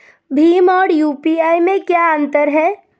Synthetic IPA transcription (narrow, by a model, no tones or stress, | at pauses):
bʱiːmɔːɾjupiajmẽkjaənt̪əɾɦɛ